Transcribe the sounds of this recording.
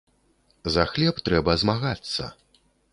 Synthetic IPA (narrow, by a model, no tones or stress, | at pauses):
zɐxlʲɛpt̪ɾɛbɐzmaɣat̪sːɐ̰